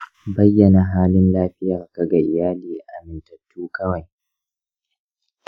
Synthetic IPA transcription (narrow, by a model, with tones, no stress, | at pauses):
bɐ˦jːɐ˨na˨ɦaː˦lɪ˦nlaː˦ɸɪ˦jaː˨ka˨ɡa˨ʔɪ˨jaː˦liː˨ʔa˨mɪ˨ntɐ˨tʰːuː˦kɐ˦wa˨j